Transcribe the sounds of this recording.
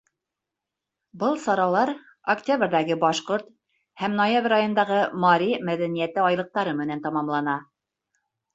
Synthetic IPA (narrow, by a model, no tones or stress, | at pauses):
bɤlˠsɑɾɑlˠɑɾ | oktʲabɾʲðæɡɘbɑʃqoɾt̪ | hæmnojabrʲɑjŏnd̪ɑʁɤmɑɾʲimæðænijæt̪ɘɑjlˠɤ̆q̚t̪ɑɾɤmɘ̆nænt̪ɑmɑmlˠɑnɑ